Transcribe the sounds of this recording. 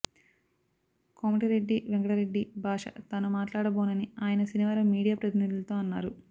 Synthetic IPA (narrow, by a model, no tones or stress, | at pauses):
komɐʈiɾeɖːiʋeŋɡɐɽɐɾeɖːibʱaːʂɐ̰t̪anumaːʈlaːɽɐboːnɐniaːjɐnɐsiniʋaːɾɐmːiːɽijaːpɾɐt̪inid̪ulɐt̪o̞ːɐnːaːɾu